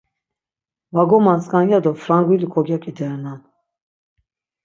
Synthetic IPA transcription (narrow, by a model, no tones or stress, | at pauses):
vaɡɔmanskʼanjad̪ɔfɾaŋɡilikʰʼɔɡjakʼid̪ɛɾnan